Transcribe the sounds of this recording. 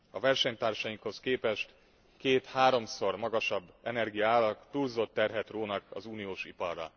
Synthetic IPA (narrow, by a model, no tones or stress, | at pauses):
ɒvɛrʃɛɲt̪aːrʃɒjiŋkho̞skeːpɛʃt̪ | keːt̪haːɾo̞mso̞rmɒɡɒʃɒbːɛnɛrɡijɒaːlːɒkt̪ulzo̞t̪ːɛrɦɛt̪roːnɒkɒ̰zuːnijoːʃipɒrːɒ̰